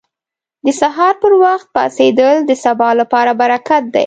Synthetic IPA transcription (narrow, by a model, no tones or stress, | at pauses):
d̪əsaɦɑɾpəɾwaxt̪̚pɑ̰sed̪əld̪əsabɑlapɑɾabaɾakat̪̚d̪a̰j